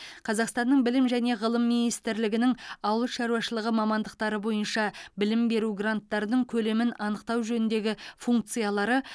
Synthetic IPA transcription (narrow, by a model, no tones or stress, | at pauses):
qʰɑzɑqst̪ɑnːəɴbɪlɪmʒæne̞ʁəlˠəmːinijst̪ɪɾlɪɡʲɪnɪŋɑwəlˠʃɑɾuɑʃəlˠəʁəmɑmɑnd̪əq̚t̪ɑɾəbo̞jənʃɑbɪlɪmbe̞ɾuɡrant̪ːɑɾənəɴkʲʰɵle̞mɪnɑnəqt̪ɑwʒɵnɪnd̪e̞ɡʲɪfuŋk̚t̪sɨjɑlˠɑɾə